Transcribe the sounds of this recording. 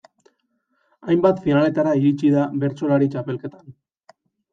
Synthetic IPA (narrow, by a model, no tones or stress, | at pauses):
ajmbat̪finale̞t̪aɾaiɾit͡ʃiðaβe̞ɾt͡so̞laɾit͡ʃape̞lke̞t̪ḁn